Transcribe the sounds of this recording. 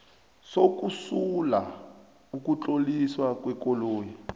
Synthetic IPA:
sok̬ʼusula | ukut͡ɬʼoliswakwɛkɔloːji

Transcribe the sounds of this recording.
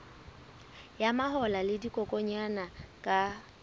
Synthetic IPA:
jamahɔlalɪdikʼɔkʼɔɲanakʼa

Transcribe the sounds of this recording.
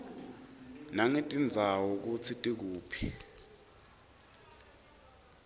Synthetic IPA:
naŋitʼind͡zʱawuk̬ut͡sʰitʼik̬uːpʰi̥

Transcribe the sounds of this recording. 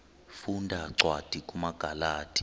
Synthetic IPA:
fundʱaǀwad̥ʱikʼumaɡ̥ʱalaːtʰʼi̥

